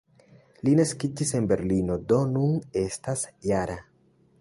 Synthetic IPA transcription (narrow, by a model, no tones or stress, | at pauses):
linaskid͡ʒise̞nbe̞ɾlino̞do̞nune̞stasjaɾa